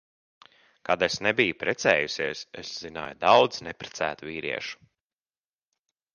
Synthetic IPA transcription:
kad̪esnɛbijupɾɛt̪sɛːjusiɛsesz̥ina̰ːjud̪awd̪znɛpɾɛ̥t̪sæːt̪viːɾḭɛʃu̥

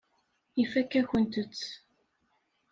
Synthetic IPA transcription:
ifækːæçənt̪ət͡sː

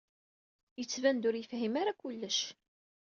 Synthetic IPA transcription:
jət͡sːvænd̪ʊɾjəfɦimaɾakʊlːəʃ

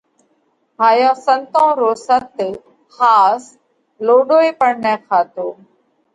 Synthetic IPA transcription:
bʱaːjãːsənt̪ãːɾoːsət̪ | xaːs | loːɖoːiːpəɳnɛ̃ːkʰaːt̪oː

